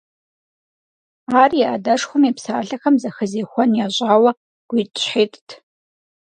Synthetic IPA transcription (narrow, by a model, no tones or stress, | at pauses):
aːrijʔadɐʂxʷʊmipsaːɬɐxɐmzɐxəzeːxʷɔnjaːʑʷʼaːwɐ | ɡ̥ʷiːtʼɕħeːtʼtʰ